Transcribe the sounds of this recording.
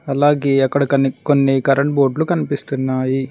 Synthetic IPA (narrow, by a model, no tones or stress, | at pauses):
ɐlaːɡeːɐkːɐɽɐkɐnikonːikɐɾɐɳʈ̚boːɖlukɐnipist̪unːaːji